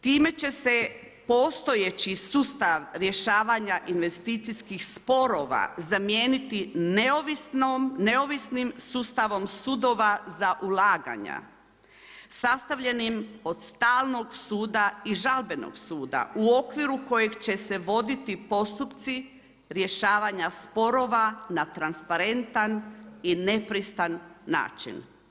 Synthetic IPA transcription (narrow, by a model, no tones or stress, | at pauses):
t̪iːme̞t͡ɕe̞se̞ | po̞st̪o̞jet͡ɕisust̪aʋɾje̞ʃaːʋaɲaʔinʋe̞st̪iːt̪siskixspo̞ɾo̞ʋa̰zamje̞ːnit̪ineoʋisne̞o̞ʋisnimsuːst̪aʋo̞msud̪o̞ːʋazaʔulaːɡa̰ɲa̰ | sast̪aʋʎe̞nimo̞d̪̥st̪aːlˠno̞ɡsuːd̪aiʒalbe̞no̰ɡsuːd̪a̰uo̞kʋiɾuko̞jeɡt͡ɕe̞se̞ʋo̞d̪it̪ipo̞st̪upt̪si | ɾje̞ʃaːʋaɲaspo̞ɾo̞ːʋanat̪ɾanspaɾe̞nt̪anine̞pɾist̪anːa̰ːt͡ʃḭn